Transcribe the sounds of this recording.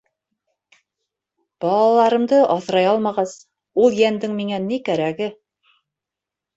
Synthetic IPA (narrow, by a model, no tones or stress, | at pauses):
b̥ɑlˠɑlˠɑɾɤ̆md̪ɤʔɑθɾɑjɑlˠmɑʁɑz | ulˠjænd̪ɘŋmiŋænikæɾæɡɘ